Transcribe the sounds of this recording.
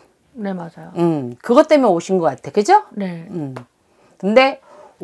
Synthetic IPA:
ne̞mad͡ʑajoɯmkɯɡʌt͈e̞mjʌnoɕʰinɡʌk͈atʰe̞kɯd͡ʑoneɯm | kɯnde̞

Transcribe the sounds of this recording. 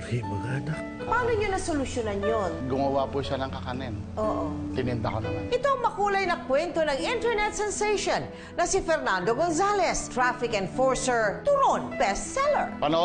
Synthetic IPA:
hibɐɡad̪ɐ | paːnoɲʊnɐsolʊʃjonɐnjonɡʊŋɐwapʊʃanɐŋkɐkɐnɛnʔoːʔot̪ɪnɪnd̪ɐ̰konɐmanʔɪt̪oɐŋmɐkuːlɐjnɐkwɛnt̪onɐŋɪnt̪ɛɹnɛt̪sɛnseʃonː | ɐsifɛɾnand̪oɡons̬alɛst̪ɹafɪkɛnfoɹsɛɹt̪uɾonpɛst̪sɛlɛɹpɐnɐ

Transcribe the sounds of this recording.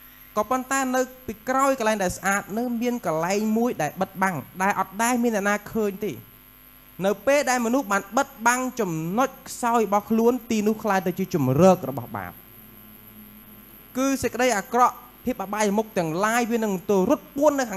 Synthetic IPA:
kɑːpont̪aɛnɨwpiːkraɔjkəlaɛŋɗaɛlsʔaːt̪̚nɨŋmiənkɑlaɛŋmuəjɗaɛlɓət̪̚ɓaŋɗaɛlʔɑt̪̚ɗaɛmiənːɛəʔnaːkʰəːɲt̪eː | nɨwpeːlɗaɛlmɔnuhɓaːnɓət̪̚ɓaŋt͡ɕɑmnoc̚kʰsaɔjrɔɓɑhkʰluənt̪iːnʊ̆əhkʰlaːjt̪ɨwt͡ɕiət͡ɕumrəːk̚rɔɓɑ̰hɓa̰ːp̚ | kɨːsec̚kə̆ɗəjʔaːkrɑʔ | pʰiəp̚ʔaɓajmuk̚t̪ɛ̆əŋlaːjʋiənɨŋt̪oəɾʊ̆ət̪̚pʊənːɨwkʰaː

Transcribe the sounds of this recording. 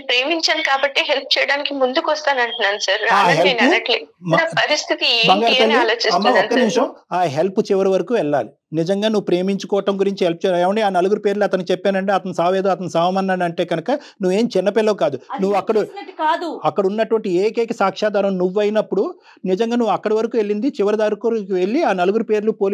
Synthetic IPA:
pɾeːmiɲt͡ʃaːnkaːbɐʈːeɦelp̚ʰt͡ʃɛːjɐɽaːnikimund̪ukɔst̪aːnɐɳʈunːaːnusaːɾaaːɦeennɐʈliapɐɾist̪ʰit̪ibɐŋɡaːɾiɐɐliiaːloːt͡ʃismːaɔnkːɐimʂɐmaːɦelput͡ʃiʋɐɾiʋɐɾɐkuːʋɛɭːa̰ːli | nid͡ʒɐŋɡaːnuʋːupɾe̞ːmiɲt͡ʃu̥kɔːʋɐʈɐmɡuɾiɲt͡ʃiɦelp̚t͡ʃɛjeːʋɐɳɖiaːnɐluɡuɾupe̞ːɾluɐt̪ɐnit͡ʃɛpːeaːnɐɳʈeːɐt̪ɐnusaːʋeːd̪oːɐt̪ɐnusaːʋɐmɐːnːɐnɐɳʈe̞ːɡɐnɐkɐ | nuʋːe̞ːmt͡ʃɪnːɐpɛlːɐkaːd̪unuʋːuɐkːɐɽɐɐkaːd̪uɐkːɐɽunːɐʈuʋɐɳʈieːkeːkɐsaːkʂaːd̪aːɾɐmnuʋːɐjnɐpːuɽu | nid͡ʒɐŋɡaːnuʋːuɐkːɐɽɐʋɐɾɐkuːʋe̞ɭːind̪it͡ʃiʋɐɾɐd̪aːɾukoke̞ɭːiaːnɐluɡuɾupe̞ːɾlupoːl

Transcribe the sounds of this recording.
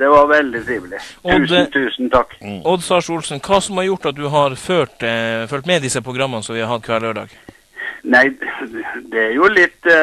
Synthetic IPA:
d̪̥ɛʋɑɾʋɛld̪ɪt̪ʰɾiːʋlɪɔʉːst̪ʰʉːsn̩t̪ʰɑkːɔd̪sɑːʂulsn̩kʰɑːsɔmhɑɾjʊʈːɑt̪̚d̪ʉɦɑɾføːʈfœlʈ̪mɛd̪ɪsəpʰɾʊɡɾɑmːənsɔmʋɪhɑɾhɑt̪̚ːkʰʋæɭøːɖɑ̰ːɡ | næɪ | d̪ɛæɾjʊlɪt̪ː

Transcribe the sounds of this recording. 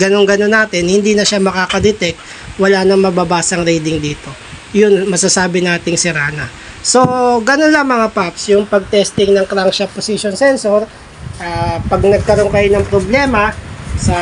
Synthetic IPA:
ɡɐno̞ŋɡɐno̞nːaːt̪ɪnhɪnd̪iːnɐʃamɐkaːkɐd̪ɛt̪ɛk̚t̪̚ | wɐlaːnɐŋmɐbɐbaːsɐŋɾɛjd̪ɪŋd̪iːt̪o̞ | jʊnmɐsasaːbɪnaːt̪ɪŋsɪɾaːnɐ | so̞ɡɐno̞nlɐŋmɐŋapapsjʊŋpɐɡ̚t̪ɛst̪ɪŋnɐŋkɾaŋʃɐposiʃonsɛnsoɾ | ʔaːpɐɡnɐɡ̚kɐɾonkɐjonɐŋpɾoblɛːmɐsɐ

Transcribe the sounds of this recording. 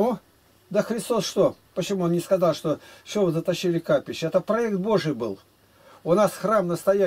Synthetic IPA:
u | d̪əxɾʲɪst̪o̞sʂt̪o | pət͡ɕɪmuonnʲɪskɐzɑlˠʂt̪o̞sʲovəzət̪ɐɕːilʲɪkapʲɪɕːɪɛt̪əpɾɐɛkt̪̚bo̞ʐɨjbɨlˠ | ʊnasxramnəst̪ɐjæ

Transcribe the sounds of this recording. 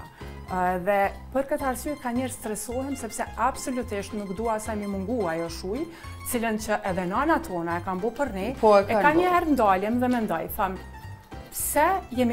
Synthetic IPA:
ɛðɛpəɾkət̪aɾsyɛkaɲɛɾst̪ɾɛsɔɦɛmsɛpsɛabsɔlut̪iʃt̪nukd̪uasajmimuŋɡuajɔʃuj | ət͡silənt͡ɕəʔɛðɛnanat̪ʰɔnaɛkambɔpəɾnipɔkɛaɲɛɾnd̪aljɛmðɛmɛnd̪ɔjθam | psɛjɛmi

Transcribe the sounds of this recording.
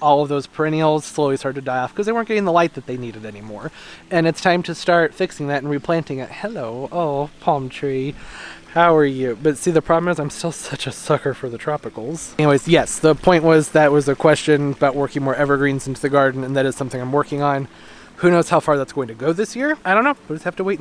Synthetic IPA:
ɔlˠʌvðoʊz̥pʰɹ̥ɛ̃ñil̩ˠz̥sloʊliz̥stʰɑ˞d̚tɨdaɪɔfkʰʌzðeɪwɜ˞nɡɛɾɪ̃ŋðəlaɪt̪̚ðɨt̪̚ðeɪniɾɨɾɛnimɔɹɨ̃nɨtstʰãɪ̃mtʰɨstɑɹtfɪksɪ̃ŋðɨɾn̩ɹipʰl̥æ̃ntɪ̃ŋɨt̚hɛloʊoʊpʰɑmtʰɹ̥i | haʊə˞jʉbʌtsiðɨpʰɹ̥ɑblə̃mɨzãɪ̃mstɪlˠsʌt͡ʃɨsʌkə˞fə˞ðɨtʰɹ̥ɑpɨkl̩ˠz̥̃weɪzjɛsðəpʰɔ̃ɪ̃nʔwʌzðɨt̚wʌzɨkʰw̥ɛst͡ʃɨ̃nbaʊʔ̚wɜ˞kɪ̃ŋwəɹɛvə˞ɡɹĩnzɪ̃ntʰʉðɨɡɑɹdⁿn̩ɨ̃nðɨɾɨz̥sʌ̃mθɪ̃ŋaɪ̃mwɜ˞kɪ̃ŋə̃n | hʉñoʊz̥haʊfɑɹðætsɡ̥oʊɪ̃ŋtʰɨɡoʊðɪsjɪɹaɪɾõʊ̃nːoʊ̥ʌshæftəweɪ

